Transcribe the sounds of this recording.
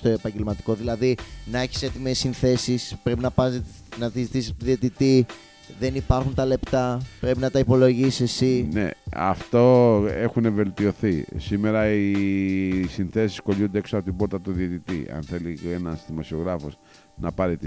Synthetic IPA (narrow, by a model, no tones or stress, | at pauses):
st̪o̞epɐɲɟe̞lmɐt̪i̥ko̞ðilɐðinɐe̞çi̥se̞t̪imesinθe̞sispɾe̞pinɐpɐ | nɐt̪izit̪isot̪oðiot̪it̪i | ðe̞nipɐɾxunt̪ɐle̞pt̪ɐpɾe̞pinɐt̪ɐipo̞lo̞ʝisise̞sinḛɐ̰ft̪o̞e̞xune̞ve̞lt̪io̞θisimeɾɐi | sinθe̞si̥sko̞ʎund̪eeksoɐpo̞t̪ibo̞ɾt̪ɐt̪uðiot̪it̪ḭɐ̰nθe̞lienɐsðimosio̞ɣɾɐfo̞s | nɐpɐɾit̪i